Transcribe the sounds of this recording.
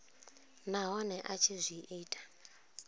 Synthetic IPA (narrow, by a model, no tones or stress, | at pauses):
naɦɔnɛʔat͡ʃʰizʷiʔiːtʼḁ